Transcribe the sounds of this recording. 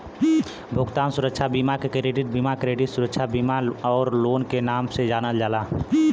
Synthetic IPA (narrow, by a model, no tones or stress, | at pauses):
bʱʊɡt̪aːnsʊɾəkʃʰabiːmakekɾeːɖɪʈ̚biːmakɾeːɖisʊɾəkʃʰabiːmaɔːɾloːnkenaːmsed͡ʒaːnəld͡ʒaːlaː